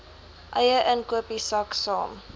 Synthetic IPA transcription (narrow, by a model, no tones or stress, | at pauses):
ʔəjəʔənkuəpisɐksɑ̰ːm